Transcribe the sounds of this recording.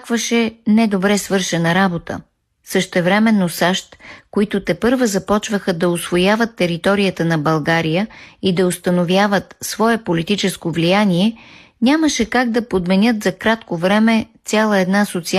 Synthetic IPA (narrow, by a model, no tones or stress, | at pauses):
kvəʃɛnɛd̪obɾɛsvɤɾʃɛnɐɾabot̪ə̰ | səʃt̪ɛvɾɛmɛnːosaʃt̪koit̪ʊt̪ɛpɤɾvəzɐpɔt͡ʃvəxəd̪ɐosvojavət̪ːɛɾit̪ɔɾijət̪ənɐbɐlˠɡaɾijəid̪ɐost̪ɐnovʲjavət̪svɔɛpolit̪it͡ʃɛskovlijaniɛ | nʲaməʃɛkaɡ̚d̪ɐpod̪mɛnʲɤt̪zɐkɾat̪kovɾɛmɛt̪sʲalˠəɛd̪nasot̪si